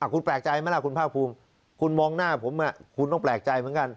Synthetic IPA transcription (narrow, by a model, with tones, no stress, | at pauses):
ʔaː˨˩kʰu˧nplɛː˨˩k̚t͡ɕa˧jma˦˥˩la˧˥˩kʰu˧npʰaː˥˩k̚pʰuː˧m | kʰu˧nmɔː˧ŋnaː˥˩pʰo˩˦mʔa˧˩kʰu˧nt̪ɔ˥˩ŋplɛː˨˩k̚t͡ɕa˧jmɯ˩˦nka˧n